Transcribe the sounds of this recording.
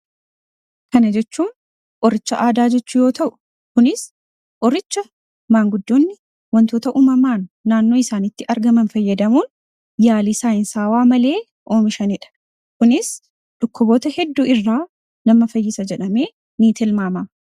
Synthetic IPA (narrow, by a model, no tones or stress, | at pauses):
kɐnɐd͡ʒɛt͡ʃːuːn | ʔɔɾɪt͡ʃːɐʔaːd̪aːd͡ʒɛt͡ʃːʊjo̞ːt̪ʰɐʔʊ̥ | kʊnɪs | ʔɔɾɪt͡ʃːɐ | maːŋɡʊd̪ːoːnːɪ | wɐnt̪oːt̪ɐʔuːmɐmaːnːaːnːo̞ːɪsaːnɪt̪ːɪʔɐɾɡɐmɐnfɐjːɐd̪ɐmuːn | jaːliːsaːɪnsaːwaːmɐle̞ː | ʔo̞ːmɪʃɐnɪᶑɐ̥ | kʊnɪs | ᶑʊkːʊboːt̪ɐhɛd̪ːuːɪrːaː | nɐmːɐfɐjːɪsɐd͡ʒɛᶑɐme̞ː | niːt̪ɪlmaːmɐ